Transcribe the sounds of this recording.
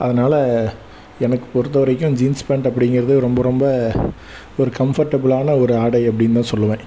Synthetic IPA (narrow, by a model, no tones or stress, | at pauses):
ʔɐðɐnaːlɐ | ɛnɐkːɯ̥pɔɾɯt̪ːɐʋɐɾɐɪk̬ːʊ̃d͡ʒiːnspɛɳɖɐpːɐɽɪŋɡɪɾɐðɯɾɔmbɐɾɔmbɐ | ɔɾɯkɐmfɐɾʈːɐbɐɭaːnɐɔɾɯaːɽɐɪɐpːɐɽɪnt̪ãːsɔlːɯʋẽː